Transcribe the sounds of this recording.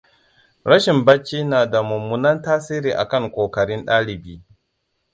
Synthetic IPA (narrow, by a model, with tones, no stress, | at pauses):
ɾɐ˦ʃɪ˨mbɐ˦t͡ʃːiː˦naː˨da˨mʊ˨mːu˨nɐ˦ntaː˦siː˦ɾiː˨ʔa̰˨kɐ˦˨ŋkʷoː˨kɐ˨ɽɪ˦nɗaː˦lɪ˨biː˦